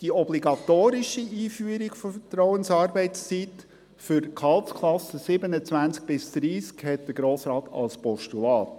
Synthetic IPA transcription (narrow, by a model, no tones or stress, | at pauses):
d̥iɔbliɡɑt̪oːɾɪʃiiːfyəɾɪɡfɔfətrɔʊənsɑːrbɛɪtst͡sit | fʏɾkʰɑltskʰlɑsəsɪbənət͡svænt͡sk̚b̥ɪsd̪̥ɾiːskhɛt̚d̥̪əɡɾoːsɾɑːt̪ʰɑ̰lspɔʃtulɑːt